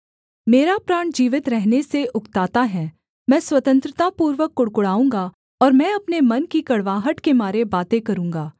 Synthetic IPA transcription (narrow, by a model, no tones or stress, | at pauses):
meːɾapɾaːɳ̃d͡ʒiːʋɪt̪ɾɛɦneseʔʊkt̪aːt̪aɦɛː | mɛ̃ːswɐt̪ə̃nt̪ɾɪt̪apuːɾʋəkːʊɽkʊɽaːũːŋɡa | ɔːɾmɛ̃ɐpnemɐnkikɐɽʋaːɦəʈkemaːɾebaːt̪ẽkɐɾũːŋ̆ɡaː